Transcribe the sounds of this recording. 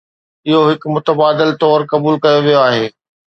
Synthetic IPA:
ɪɦoɦɪkmʊt̪əbaːd̪ɪlt̪ɔːɾkɐbuːlkɐjoʋijoaːɦeː

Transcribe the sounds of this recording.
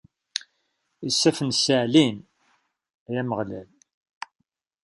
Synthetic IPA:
isːæfənsəʕlin | æjæməʁlæl

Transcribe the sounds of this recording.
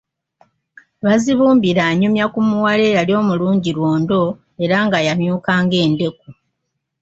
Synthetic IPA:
βaziβuːmbiɾaːɲumjakumuwale̞ːjaljo̞ːmuluːɲɟiɾwoːndo̞ | e̞ɾaŋɡajamjuːkaːŋɡe̞ːnde̞ku

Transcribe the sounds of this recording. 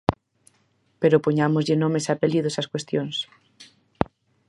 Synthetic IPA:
peɾopoɲamozʎenõmesapeliðosaskwest̪jons

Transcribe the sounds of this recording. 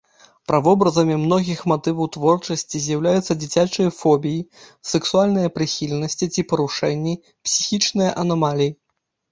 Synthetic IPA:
pɾavɔbɾɐzɐmʲimn̪ɔɣʲixmat̪ɨvɐwt̪vɔrt͡ʂɐsʲt͡sʲizʲjɐwlʲajut̪sːɐd͡zʲit͡sʲat͡ʂɨjɐfɔbʲijisɛksualʲnɨjɐpɾɨxʲilʲnɐsʲt͡sʲit͡sʲipɐɾuʂɛnʲːi | psʲi̥xʲit͡ʂnɨjɐʔɐnamalʲiji

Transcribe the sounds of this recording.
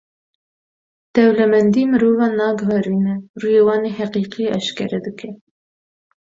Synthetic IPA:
d̪̥ɛwlɛmɛnd̪imɨɾoːvɑːnɑːɡɨvɛɾiːnɛrujeːwɑːneːhɛqiːqiɑʃkɛɾɛd̪ɨkʰɛ

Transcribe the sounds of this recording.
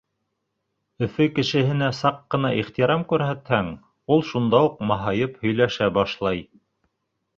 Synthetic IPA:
ɵ̆fɘkɘ̆ʃɘ̆hɘ̆næsɑqːɤ̆nɑʔiχt̪iɾɑmkʉɾɦæt̪hæŋ | ulˠʃund̪ɑuqmɑɦɑjɤphɵ̆jlæʃæbɑʃlˠɑj

